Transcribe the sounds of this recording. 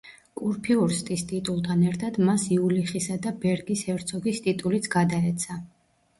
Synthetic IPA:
uɾpʰiuɾst̪ʼist̪ʼit̪ʼulˠt̪ʰanɛɾt̪ʰad̪̥masiuliχisad̪abɛɾɡishɛɾt̪sʰɔɡist̪ʼit̪ʼulit̪sʰɡ̥ad̪aɛt̪sʰa

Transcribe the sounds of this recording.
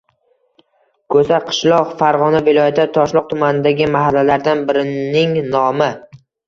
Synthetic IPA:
kʰɵsaqʰɨ̥ʃlˠɒqfaɾʁɒnavɪlˠɒjat̪ʰt̪ʰɒʃlˠɒq̚t̪ʰʊmanɪd̪aɡʲɪmaɦalːalaɾd̪anbɪɾɪnɪŋnɒmɪ

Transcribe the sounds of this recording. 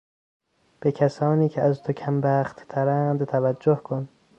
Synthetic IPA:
b̥ecʰæsɒːniːcʰeæzt̪ʰocʰæmbæːχt̪t̪ʰæɾænd̪t̪ʰævæd͡ʒːohkʰon

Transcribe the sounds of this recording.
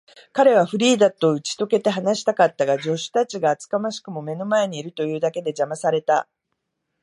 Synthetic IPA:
kaɾe̞β̞aɸɯ̟ɾʲiːd̪at̪ːo̞ɯ̟t͡ɕi̥t̪o̞ke̞t̪e̞ɦanaɕi̥t̪akat̪ːaɡad͡ʑo̞ɕɨ̥t̪at͡ɕiɡaːt͡sɨ̥kamaɕi̥kɯ̟mo̞me̞no̞mae̞ɲ̟iːɾɯ̟t̪o̞jɯ̟ːd̪ake̞d̪e̞d͡ʑamasaɾe̞t̪a

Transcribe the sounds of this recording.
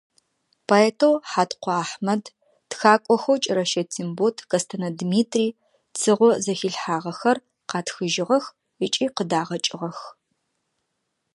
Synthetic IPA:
pʰoeːtʰowħaːtqʷɔaːħmɐd | txaːkʷʼɔxowt͡ʃʼɪɾɐʃɐtʰimbotʰkɐstʰɐnɐdmiːtʰriː | t͡sʰɨʁʷɔzɐxiɬħaːʁɐxɐr | qɑːtxɨʒɪʁɐx | ɪt͡ʃʼiːqədaːʁɐt͡ʃʼɪʁɐx

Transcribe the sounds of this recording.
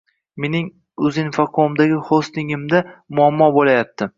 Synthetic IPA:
me̞nɪŋ | ʊzɪnfaqʰomd̪aɡʲɪχost̪ɪŋɪmd̪amʊamːɒbolajat̪ːɪ

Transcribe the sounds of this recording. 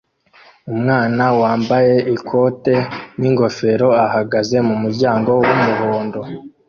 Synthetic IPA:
umŋaːnawaːmbaje̞ʔikʰo̞te̞niŋɡo̞fe̞ɾo̞ahaɡaze̞mumuɾɟaːŋɡo̞wumuɦoːndo̞

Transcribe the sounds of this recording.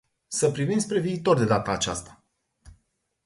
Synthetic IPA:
səpɾivinsʲpɾe̞viːt̪o̞rd̪e̞d̪at̪aːt͡ʃa̰st̪ḁ

